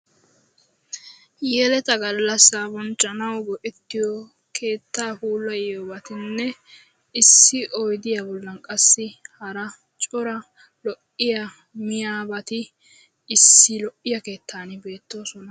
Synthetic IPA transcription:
jɛlɛt̪ɐɡɐlːɐsabɔnt͡ʃʼːɐnɐwɡɔʔɛt̪ːɪjɔ | kʰe̞ːt̪ːaːhuːlːɐjobɐt̪ɪnːɛ | ɪsːɪʔɔjd̪ɪjabɔlːɐnkʼɐsːɪhɐɾɐ | t͡ʃʼɔɾɐ | lɔʔɪjɐ | mɪjaːbɐt̪ɪ | ɪsːɪlɔʔɪjɐke̞ːt̪ʰːaːnɪbe̞ːt̪ːo̞ːsɔnɐ

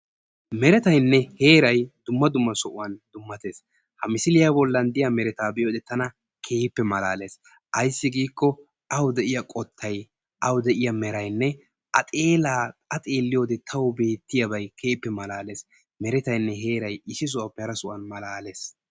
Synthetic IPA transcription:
mɛɾɛt̪ɐjnːɛhe̞ːɾɐjd̪̥ʊmːɐd̪ʊmːɐsɔʔʊwɐnd̪ʊmːɐt̪e̞ːs | hɐmɪsɪlɪjabɔlːɐnd̪ɪjamɛɾɛt̪aːbɛjoːd̪ɛt̪ːɐnɐ | kʰe̞ːɪpːɛmɐlaːle̞ːs | ʔɐjsːɪɡiːkːɔ | ʔɐwd̪ɛʔɪjɐkʼɔt̪ʰːɐj | ʔɐwd̪ɛʔɪjɐmɛɾɐjnːɛ | ʔɐt̪ʼe̞ːlaːɐt̪ʼeːlːɪjo̞ːd̪ɛt̪ʰɐwbe̞ːt̪ːɪjɐbɐjkʰeːpːɛmɐlaːle̞ːs | mɛɾɛt̪ɐjnːɛɦe̞ːɾɐjɪʃɪs̬ʊʔɐpːɛhɐɾɐsʊʔɐnmɐlaːle̞ːs

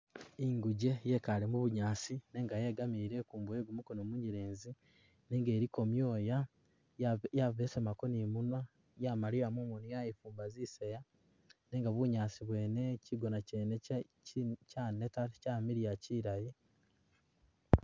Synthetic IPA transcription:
iŋɡuɟe̞jekalemuβuɲaːsine̞ŋɡaje̞ːɡamiɾe̞kuːmbueːɡumukonomuɲiɾeːnzi | neːŋɡeːɾiko̞mjo̞ːja | javesemakonimuna | jamaɾiɾamomunijajifuːmbaziseja | ne̞ːŋɡaβuɲaːsiβwe̞neciɡo̞nacene | canetaɾcaːmiɾijaciːɾaji

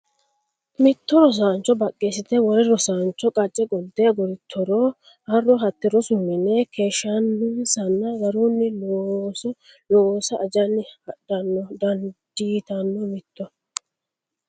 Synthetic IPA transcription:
mɪt̪ːɔɾɔs̬aːnt͡ʃːɔbɐkʼːeːsɪt̪ɛwɔɾɪɾɔsaːnt͡ʃːɔkʼɐt͡ʃʼːɛɡɔd̪ːɛɐɡɔɾɪt̪ʰːɔɾɔ | hɐrːɔɦɐt̪ːɪɾɔsʊmːɪnːɛkʰe̞ːʃːanʊnsɐnːɐɡɐɾunːɪloːsɔ | loːsɐʔːd͡ʒɐnːɪhɐɗːɐnːɔd̪ɐnd̪̥iːt̪ɐnːɔmɪt̪ːɔ

